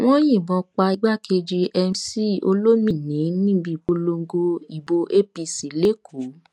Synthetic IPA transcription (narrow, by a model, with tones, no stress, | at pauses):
w̃ɔ̃˦j̃ĩ˦˨bɔ˧k͡pa˧i˧ɡ͡ba˦˨kʰe˧d͡ʒi˧ʔɛ˧si˦o̰˧lo˦mĩ˦˨nĩ˨˦nĩ˦bi˧˨ko˧lo˧ŋ̩˦ɡo˧i˨bo˧ʔe˦pi˧si˨le˦kʰu˨˦